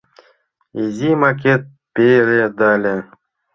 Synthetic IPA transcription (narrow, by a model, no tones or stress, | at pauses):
ezʲimak̬ʲet̪̚ | pʲeɾed̪alʲe